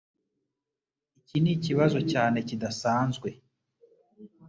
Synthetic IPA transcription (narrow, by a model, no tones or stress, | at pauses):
iciniciβazo̞caːne̞cidasaːnzɡwe̞